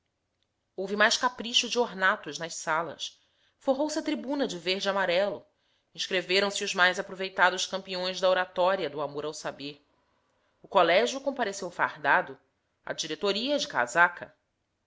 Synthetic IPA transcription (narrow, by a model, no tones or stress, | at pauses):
owvɪmajʃkapɾiʃʊd͡ʒɪoɾnat̪ʊʒnɐʃsalɐ̰s | foɦowsɪɐt̪ɾibũnɐd͡ʒɪvehd͡ʒɪamaɾɛlʊ | ĩʃkɾeveɾɐ̃w̃sɪʊzmajzapɾovejt̪ad̪ʊʃkɐ̃mpiõj̃zd̪ɐoɾat̪ɔɾiɐd̪ʊamoɾawsabeɾ | ʊkolɛʒjʊkõpaɾesewfa̰hd̪ad̪ʊ | ɐ̰d͡ʒiɾet̪oɾiɐd͡ʒɪka̰zakʰɐ